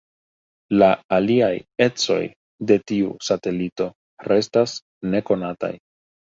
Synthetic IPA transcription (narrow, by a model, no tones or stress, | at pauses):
laːliaje̞t͡so̞̰j | de̞tiṵsate̞lito̞ | ɾe̞stas | ne̞ko̞nata̰j